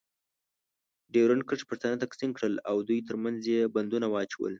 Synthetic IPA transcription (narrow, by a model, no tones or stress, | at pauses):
ɖeɾənkəʈ͡ʂpəʂt̪anat̪aksinkɽəlawd̪ujt̪̬əɾmanzjeband̪unawɑt͡ʃawə̰l